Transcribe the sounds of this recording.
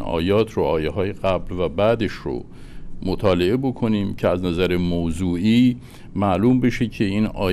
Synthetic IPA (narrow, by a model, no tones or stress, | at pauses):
ɒ̰ːjɒːt̪ʰroɒːjeɦɒːje̞ɣæblvæbæd̪eʃɾo̰ | mot̪ʰɒːle̞ebo̞kʰo̞niːmcʰeæznæzæɾemowzuːʔiː | mæʔluːmbe̞ʃecʰe̞inɒ̰ː